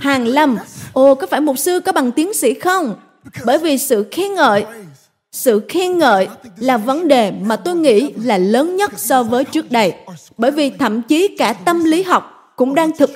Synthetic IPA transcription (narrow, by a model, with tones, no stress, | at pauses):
haː˨˩ŋla˧mʔo˧˩kɔ˨˦faː˧˩jmo˨˩t̚sɨ˧kɔ˨˦ɓa˨˩ŋt̪i˨˦əŋsḭ˧˥xə˧wŋ͡m | ɓəː˧˩jvi˨˩sɨ̰˧˨xi˧ənŋə̰ː˧˨j | sɨ̰˧˨xi˧ənŋə̰ː˧˨jlaː˨˩və˨˦nɗe˨˩maː˨˩t̪o˧jŋḭ˧˥laː˨˩ləː˨˦nɲə˦˥t̚sɔ˧vəː˨˦jt͡ɕɨ˦˥ək̚ɗə˧˩j | ɓəː˧˩jvi˨˩t̪ʰə̰˧˨mt͡ɕi˨˦kaː˧˩t̪ə˧mli˨˦ɦa˨˩wk͡p̚ | kʊ̰˧˥ŋ͡mɗaː˧ŋt̪ʰɨ˨˩k̚